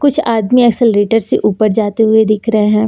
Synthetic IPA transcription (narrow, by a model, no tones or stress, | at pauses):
kʊt͡ʃʰaːd̪miɛːksɪlɾeːʈəɾseʔuːpəɾd͡ʒaːt̪eɦʊed̪ɪkʰɾɐɦeɦɛ̃ː